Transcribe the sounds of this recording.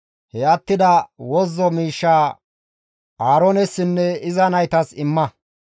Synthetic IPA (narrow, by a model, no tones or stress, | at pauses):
hɛɐt̪ːɪd̪ɐwɔzːɔmiːʃːaː | ʔaːɾɔnɛsːɪnːɛɪzɐnɐjt̪ɐsɪmːɐ